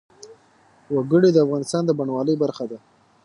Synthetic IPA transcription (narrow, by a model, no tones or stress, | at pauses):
waɡəɽed̪əafɣɑnɪst̪ɑnd̪əbaɳwɑləjbaɾxad̪a